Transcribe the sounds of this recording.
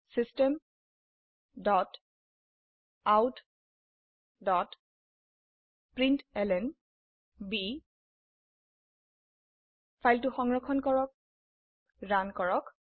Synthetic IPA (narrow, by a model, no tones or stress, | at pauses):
sistɛm | dɔt | awt | dɔt | pɹintɛlɛn | bi | pʰajltuxɔŋɹɔkʰɔnkɔɹɔk̚ | ɹankɔɹɔk